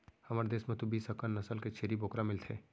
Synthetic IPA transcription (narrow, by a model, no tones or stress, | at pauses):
hɐmaːɾed̪eːsmẽt̪ubiːsɦəkənnɐsəlket͡ʃʰeːɾiboːkɾamɪlt̪ʰḛː